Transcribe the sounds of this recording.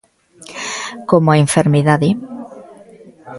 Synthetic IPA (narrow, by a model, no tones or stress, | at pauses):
komoaeɱfeɾmiðaði